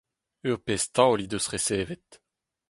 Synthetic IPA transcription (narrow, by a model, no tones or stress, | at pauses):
yʁpɛst̪ɑ̃olid̪øsχesevɛt̪